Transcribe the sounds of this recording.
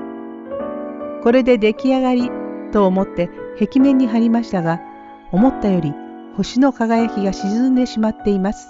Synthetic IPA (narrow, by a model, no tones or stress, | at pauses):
ko̞ɾe̞d̪e̞d̪e̞kʲiaɡaɾʲit̪o̞ːmo̞t̪ːe̞he̞kʲimẽ̞ɲ̟ːiɦaɾʲimaɕi̥t̪aɡa | o̞mo̞t̪ːajo̞ɾʲi | ho̞ɕino̞kaɡajakʲiɡaɕizɨ̃nd̪e̞ɕimat̪ːe̞imasɨ̥